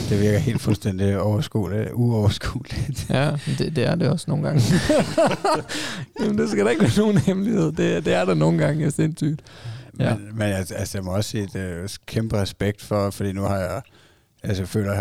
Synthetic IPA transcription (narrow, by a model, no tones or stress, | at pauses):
d̥e̝ʋiɐɡ̥ɐhe̝̰ːld̥fulsd̥en̰d̥iɒʊɐsɡ̥ṵːliuɒʊɐsɡ̥ṵːlid̥æd̥ed̥e̝æɐd̥e̝ɒ̽sno̝ːn̩ɡɑ̈ŋ | jæmnd̥e̝sɡ̥æd̥ɑ̈e̝ɡ̥ʋæɐno̝ːn̩hemlihe̝ð̞̰ˠd̥e̝d̥e̝æɐɾ̥ɑno̝ːn̩ɡ̥ɑ̈ŋəæse̝nsy̰d̥mjænmenæsælsəjɑ̈mɒ̽ɒ̽sːḭːd̥kʰemb̥əʁɛsb̥eɡ̥̚d̥fɒfɒd̥ḭːnuhɑ̈ja | ælsəjafø̰ːlɐ